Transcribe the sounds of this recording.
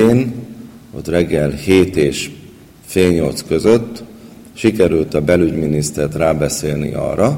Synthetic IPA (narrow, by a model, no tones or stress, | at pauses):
eːno̰t̪rɛɡːɛlheːt̪eːʃ | feːlɲo̞lt̪skø̞zøt̪ː | ʃikɛɾylt̪ɒbɛlyɟminist̪ɛrt̪raːbɛseːlnḭʔɒ̰rːɒ